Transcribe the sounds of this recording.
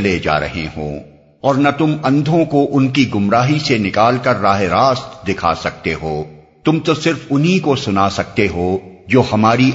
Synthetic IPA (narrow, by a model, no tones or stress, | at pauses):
led͡ʒa̰ːɾɐ̰ɦḛɦõ̰ː | ɔːɾnɐt̪ʊmɐ̃nd̪ʱõkoʔʊnkiɡʊmɾaːɦisenɪkaːlkɐɾːaːɦeɾaːst̪d̪ɪkʰa̰sɐk̚t̪eɦoː | t̪ʊmt̪osɪɾfʊnɦikosʊnasɐk̚t̪eɦoːd͡ʒoːhɐmaːɾi